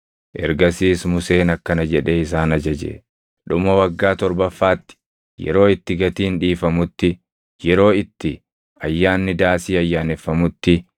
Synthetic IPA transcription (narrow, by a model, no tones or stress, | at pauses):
ʔɛ̰ɾɡɐsiːsmʊseːnɐkːɐnɐd͡ʒɛᶑeːɪs̬aːnɐd͡ʒɐd͡ʒḛ | ᶑʊmɐwɐɡːaːt̪ɔɾbɐfːaːt̪ːɪ̥ | jɛ̰ɾo̞ːɪt̪ːɪɡɐt̪iːnᶑiːfɐmʊt̪ːɪ | jɛɾo̞ːɪt̪ːɪ | ɐjːaːnːɪd̪aːsiːɐjːaːnɛfːɐmʊt̪ːɪ